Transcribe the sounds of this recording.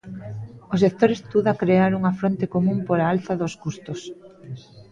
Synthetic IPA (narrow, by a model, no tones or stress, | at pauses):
osekt̪oɾest̪uðakɾeaɾuŋɐfɾont̪ekomũmpoɾaalθaðoskust̪os